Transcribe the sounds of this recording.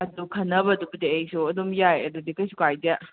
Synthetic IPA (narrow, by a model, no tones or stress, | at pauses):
ɐdukʰɐnːɐbɐdubɐdeejsuɐdumjajɐdudikɐjsukajdja